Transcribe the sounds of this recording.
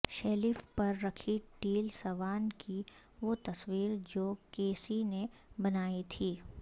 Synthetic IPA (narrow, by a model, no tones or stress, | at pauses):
ʃɐlifpɐɾːɐkʰiʈiːlsɐʋaːnki | ʋot̪ɐswiːɾd͡ʒoːkeːsinebɐnaːit̪ʰiː